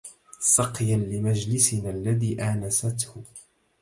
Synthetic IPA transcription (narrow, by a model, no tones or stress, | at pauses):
sɑqjanlɪmad͡ʒlɪsɪnlːaðiːʔaːnasat̪hʊ